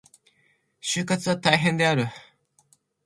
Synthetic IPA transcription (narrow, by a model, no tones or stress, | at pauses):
ɕɨkːat͡sɨat̪ajɦẽnd̪eaɾɯ